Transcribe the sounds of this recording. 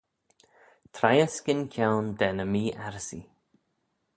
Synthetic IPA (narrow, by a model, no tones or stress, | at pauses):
t̪ʰɾajəskɪnkʰjawnd̪ɛnəmiːʔaɾsḭ